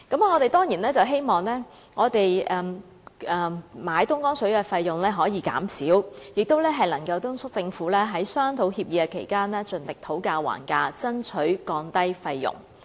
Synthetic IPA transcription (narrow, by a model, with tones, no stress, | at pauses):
kɐ˨˥m˨ŋɔː˨˧t̪e˨jt̪ɔː˥ŋjiː˨˩nlɛː˥t͡sɐ˨wɦe˥jmɔː˨˩ŋlɛː˥ | ŋɔː˨˧t̪e˨jɛː˨ | ɛ˨maː˨˧jt̪ʊ˥ŋkɔː˥ŋt͡sʰɵ˨˥ɥkɛː˧fɐ˧jːʊ˨˩ŋlɛː˥ɦɔː˨˥jiː˨˧˥ka̰ː˨˥msiː˨˥wjɪ˨k̚t̪o˥wlɛː˥ɦɐ˨jlɐ˨˩ŋkɐ˧wt̪ʊ˥ŋsʰʊ˥k̚t͡sɪ˧ŋfuː˨˥lɛː˥ɦɐ˨˥jsœː˥ŋt̪ʰo˨˥whiː˧p̚jiː˨˧kɛ˧kʰe˨˩jkaː˥nlɛː˥t͡sɵ˨nt̪ɪ˨k̚t̪ʰo˨˥wkaː˧wa̰ː˨˩nkaː˧t͡sɐ˥nt͡sʰɵ˨˥ɥkɔː˧ŋt̪ɐ˥jfɐ˧jːʊ̰˨˩ŋ